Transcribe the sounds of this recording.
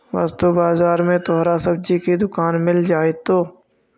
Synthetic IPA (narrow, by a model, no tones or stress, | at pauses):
ʋa̰ːst̪obaːzaːɾmẽt̪ɔːɾasɐb̚d͡ʒikid̪ʊkaːnmɪld͡ʒaːet̪oː